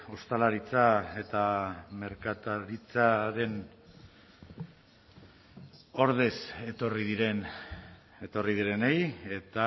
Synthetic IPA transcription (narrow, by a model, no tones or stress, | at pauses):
o̞st̪alaɾit͡sae̞t̪ame̞ɾkat̪aɾit͡saɾe̞n | o̞ɾð̞e̞se̞t̪o̞riðiɾe̞n | e̞t̪o̞rið̞iɾe̞neje̞t̪a